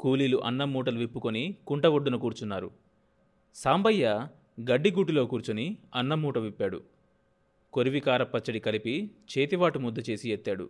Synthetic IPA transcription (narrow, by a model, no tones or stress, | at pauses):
kuːliːluʔɐnːɐmuːʈɐluʋipːukonikuɳʈɐɡoɖːunɐkuːɾut͡ʃunːaːɾṵ | saːmbɐjːɐ | ɡɐɖːiɡuːʈilo̞ːkuːɾut͡ʃuniɐnːɐmuːʈɐʋipːaːɽṵ | ko̞ɾiʋikaːɾɐpːɐt͡ʃːɐɽikɐlipit͡ʃeːt̪iʋaːʈumud̪ːɐt͡ʃe̞ːsijet̪ːaːɽṵ